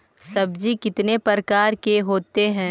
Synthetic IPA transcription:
sɐbd͡ʒikɪt̪nepəɾkaːɾkeɦoːt̪eɦɛ̃ː

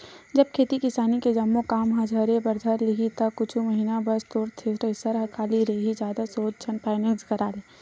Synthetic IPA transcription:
d͡ʒɐb̚kʰeːt̪ikɪsaːniked͡ʒɐmːokaːmɦə̃d͡ʒʱəɾepɐɾd̪ʱəɾliit̪ɐkʊt͡ʃʰuməɦiːnabɐst̪oːɾt̪ʰesɾəɪsəɾɦɐkʰaːliɾɐiɦid͡ʒjaːd̪asoːd͡ʒ̚t͡ʃʰənpaːɪnəlzkəɾaːleː

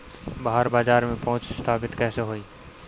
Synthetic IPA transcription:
baːɦəɾbaːd͡ʒaːɾmẽpɐɦʊ̃t͡ʃst̪ʰaːpɪt̪kɛːseɦoːiː

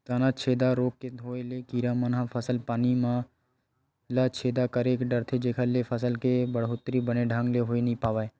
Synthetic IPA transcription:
t̪aːnat͡ʃʰeːd̪aɾoːkked̪ʱoːelekiːɾamənɦãpʰəsəlpaːnimã | lat͡ʃʰeːd̪akəɾekɖəɾt̪ʰed͡ʒeːkʰalepʰəsəlkebəɽɦoːt̪ɾibəneɖʱãŋɡleɦoːinəĩpaːʋaːe

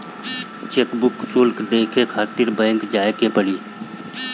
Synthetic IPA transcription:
t͡ʃeːkbʊksʊlkd̪eːkʰekʰaːt̪ɪɾbɛ̃ːŋkd͡ʒaːekepəɽiː

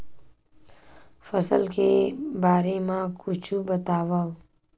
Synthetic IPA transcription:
fəsə̰lkebaːɾemãkʊt͡ʃʰubət̪aːʋa

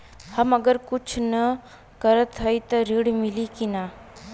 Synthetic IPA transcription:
hɐmɐɡəɾkʊt͡ʃʰnə | kəɾət̪ɦəjt̪əɾiɽmilikinaː

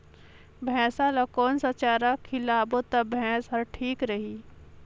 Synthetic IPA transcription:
bʱɛ̃ːsalɐkoːnsat͡ʃaːɾakʰɪlaːbot̪ɐbʱɛ̃ːsɦɐɾʈʰiːkɾɐɦiː

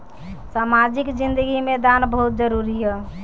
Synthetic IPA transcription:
saːmad͡ʒɪkd͡ʒɪnd̪əɡimẽd̪anbəɦut̪̚d͡ʒəɾuɾiɦɛː

